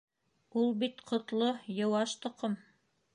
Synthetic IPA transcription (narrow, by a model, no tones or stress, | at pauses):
ulˠbit̪qʰŏt̪lˠojɤ̆wɑʃt̪ŏqom